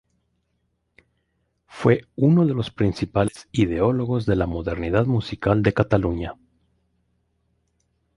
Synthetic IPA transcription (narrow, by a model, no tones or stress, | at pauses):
fwe̞uno̞ðe̞lo̞spɾinsipalesiðe̞o̞lo̞ɣo̞zðe̞lamo̞ðe̞ɾniðaðmusikald̪e̞kat̪aluɲa